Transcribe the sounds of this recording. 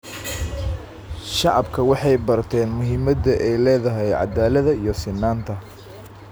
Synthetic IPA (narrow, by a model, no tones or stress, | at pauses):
ʃɑʕɑbkʰɐwɑħɑjbɐrt̪ʰɛːnmʊɦɪmɐd̪ɐʔɛjlɛːðɐɦɛjʕɑ̰d̪aːlɐðɐijɔsɪnːaːnt̪ʰɐ